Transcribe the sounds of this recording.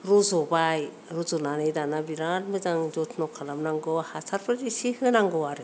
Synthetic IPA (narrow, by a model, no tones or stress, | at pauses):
ɾuzɔbaj | ɾuzɔnanɯjdanabiɾanmɯzaŋd͡ʒɔtʰnɔkʰalamnaŋɡɔhasʰaɾpʰɯdisihɯnaŋɡɔaɾɯ